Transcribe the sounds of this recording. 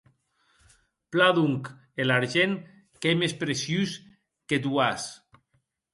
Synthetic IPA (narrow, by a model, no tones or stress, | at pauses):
plaðuŋk | elaɾʒen | kemespɾesjys | ket̪uas